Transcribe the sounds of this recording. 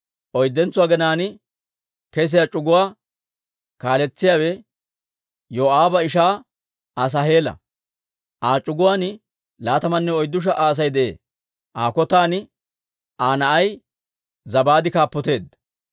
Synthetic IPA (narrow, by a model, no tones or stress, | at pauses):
ʔɔjd̪ːɛnt͡sːʊwaːɡɛnaːnɪ | kɛs̬ɪjat͡ʃʼʊɡʊwaː | kaːlɛt͡sːɪjaːwɛ | joːaːbɐɪʃaː | as̬ɐɦeːlɐ̰ | ʔaːt͡ʃʼʊɡʊwaːn | laːt̪ɐmɐnːɛɔjd̪ːʊʃ̬ɐʔaːs̬ɐjd̪ɛʔḛː | ʔaːkɔt̪aːnɪ | ʔaːnɐʔɐj | zɐbaːd̪ɪkaːpːɔt̪e̞ːd̪